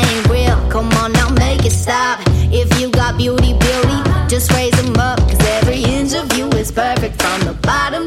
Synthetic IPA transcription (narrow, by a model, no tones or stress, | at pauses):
ẽɪ̃nwɪlˠkʰʌ̃mə̃nə̃meɪkɨtstɑbɪfjɨɡɑt̚b̥juɾibɪlˠɾid̥d͡ʒ̥ʌst̚ɹeɪzə̃mʌp̚kʰʌzɛvɹiɪ̃ntə˞vjʉɪz̥pʰɜ˞fɪk̚tfɹə̃nðəbɑɾə̃m